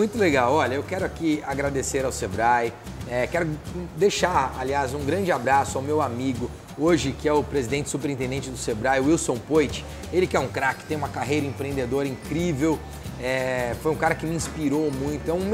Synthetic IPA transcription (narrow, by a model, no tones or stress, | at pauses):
mũj̃t̪ʊleɡawɔʎɐewkɛɾʊakiaɡɾad̪eseɾawsebɾaj | ɛkɛɾʊd̪ejʃaɾaliazũɡɾɐ̃nd͡ʒɪabɾasʊawmewamiɡʊ | oʒɪkɪɛʊpɾezid̪ẽnt͡ʃɪ̥supeɾĩt̪ẽnd̪ẽnt͡ʃɪd̪ʊsebɾajʊiwsõpojt͡ʃɪ̥ | elɪkɪɛũkɾakɪt̪ẽj̃ũmɐkaɦejɾɐẽpɾẽnd̪ed̪oɾɐĩŋkɾivew | ɛfojũkaɾɐkɪmɪĩspiɾowmũj̃t̪ʊɛũm